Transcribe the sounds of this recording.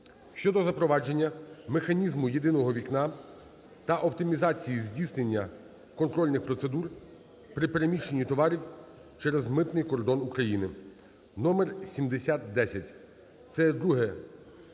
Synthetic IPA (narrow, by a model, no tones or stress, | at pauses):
ʃt͡ʃɔd̪ɔzɐpɾɔʋɑd͡ʒe̞nʲːɐmexɐnʲizmʊjed̪ɪnɔɦɔʋʲiknɑ | t̪ɐʔɔpt̪ɪmʲizɑt͡sʲijizʲdʲisnenʲːɐ | kɔnt̪ɾɔlʲnɪxpɾɔt̪se̞d̪ur | pɾɪpe̞ɾe̞mʲiʃenʲːit̪ɔʋɑɾʲiw | t͡ʃɛɾezmɪt̪nɪjkɔrd̪ɔnukɾɐjinɪ | nɔmersʲimd̪esʲat̪̚d̪ɛsʲɐtʲ | t̪sɛd̪ɾuɦɛ